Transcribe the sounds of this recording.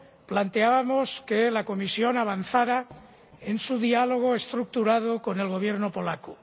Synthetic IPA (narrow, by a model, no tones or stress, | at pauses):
plant̪eaβamoskelako̞misjo̞naβ̞anθaɾa | ensuðialo̞ɣ̞oe̞st̪ɾuk̚t̪uɾað̞oko̞ne̞lɣo̞β̞je̞ɾnopo̞laku